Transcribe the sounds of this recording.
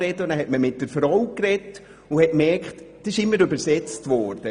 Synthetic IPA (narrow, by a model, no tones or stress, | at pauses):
ɛdəʊnæːɾhɛtməmɪt̚d̥əɾfɾɔʊkrɛt | ʊhɛt̚mɛɾkχtd̥sɪʃɪmːəɾøbəɾsɛt͡stvɔɾd̥ə